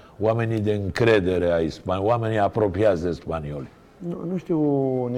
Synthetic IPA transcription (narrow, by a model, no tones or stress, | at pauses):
wamenʲid̪eɨŋkɾed̪eɾeaispanwameniapɾopɾiasd̪espanioli | nunuʃt̪iwn